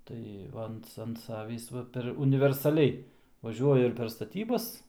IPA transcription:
ˈtɐɪ ˈʋɐ ɐnt ɐnt ˈsɑːʋʲiːs ˈʋɐ pʲɛr ʊnʲɪʋʲɛrsɐˈlʲɛɪ ʋɐˈʒʲuɔjʊ ɪr pʲɛr stɐˈtʲiːbɐs

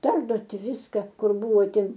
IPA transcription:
ˈpʲɛrduɔtʲɪ ˈʋʲɪskɐ ˈkʊr ˈbʊʋoː ˈtʲɪn

